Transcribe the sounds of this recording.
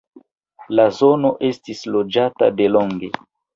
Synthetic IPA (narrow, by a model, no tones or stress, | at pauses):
lazo̞no̞ʔe̞stislo̞d͡ʒata̰de̞loŋɡe̞